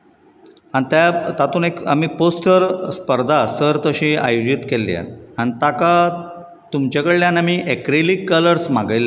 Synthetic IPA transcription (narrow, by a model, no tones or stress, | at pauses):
ant̪jat̪at̪uːneka̰miːposʈəɾspəɾd̪ʱasəɾt̪əɕiːa̰jod͡ʑit̪kelːḭa̰nanit̪aka | t̪umt͡ɕakəɭljãnamiːʔekɾelikːələɾsmaɡəjla